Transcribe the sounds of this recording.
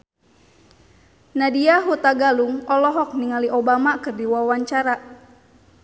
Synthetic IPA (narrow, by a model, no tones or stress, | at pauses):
nadiaɦut̪aɡaluŋɔlɔɦɔk̚niŋaliʔobamakɨrdiwawaɲt͡ʃaɾa